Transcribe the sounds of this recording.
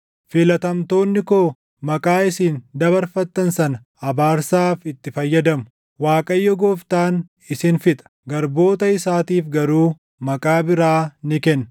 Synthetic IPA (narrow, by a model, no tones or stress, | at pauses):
fɪlɐt̪ɐmt̪o̞ːnːɪkoː | mɐkʼaːɪsiːnd̪ɐbɐɾfɐt̪ːɐnsɐnɐ | ɐbaːɾsaːfɪt̪ːɪfɐjːɐd̪ɐmʊ̥ | waːkʼɐjːɔɡoːft̪aːn | ɪsɪnfɪt̪ʼɐ̥ɡɐɾbo̞ːt̪ɐɪsaːt̪iːfɡɐɾuː | mɐkʼaːbɪɾaːnɪkɛnː